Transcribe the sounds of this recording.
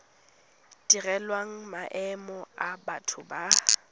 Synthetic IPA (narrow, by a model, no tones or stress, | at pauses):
d̥irɛlwaŋ̩maʔɛmɔabatʰʊba